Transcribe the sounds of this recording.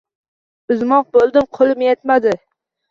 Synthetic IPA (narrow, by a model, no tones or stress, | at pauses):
ʊzmɒq̚bolˠd̪ɪmqʰolˠɪmjet̪mad̪ɪ